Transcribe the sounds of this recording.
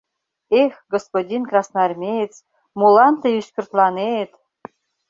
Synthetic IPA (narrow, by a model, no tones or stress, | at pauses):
exɡospodʲinkrɑsnɑrmʲet͡s | mulɑnt̪eyskʲyrt̪lɑnet̪